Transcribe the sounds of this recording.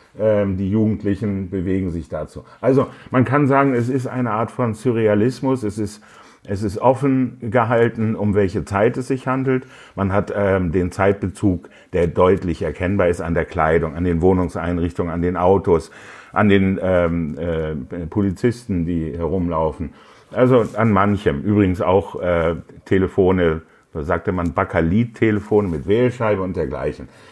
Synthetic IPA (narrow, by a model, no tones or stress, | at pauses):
ʔɛmdiːjuːɡŋ̩tʰlɪçn̩bəveːɡŋ̩zɪçd̥at͡suːʔalzomankʰanzaːɡŋ̩ɛs̬ɪstʔa̰ɪnəʔaːɐtfɔnsyʁ̞ealɪsmʊsɛsɪst | ʔɛs̬ɪstʔɔfn̩ɡəɦaltn̩ʊmvɛlçət͡saɪtɛsz̥ɪçhandl̩t | manɦatʔɛːdeːnt͡saɪt̚b̥ət͡suːk | d̥eːɐdɔʏtlɪçɛɐkʰɛnbaːɐɪsta̰ndeːɐkʰl̥aɪdʊŋandeːnvoːnʊŋsʔaɪnʁɪçtʊŋənandeːnʔaʊtosʔandeːnɛːɛpʰolit͡sɪstn̩diːhɛʁ̞ʊmlaʊfn̩ | ʔalzoʔanmançəmʔyːbʁɪɡŋ̩sa̰ʊxʔɛːtʰeləfoːnə | z̥oːzaːk̚təmanbakʰaliːtʰːeləfoːnəmɪtv̥ɛːlʃaɪbəʊnt̚d̥eːɐɡla̰ɪçn̩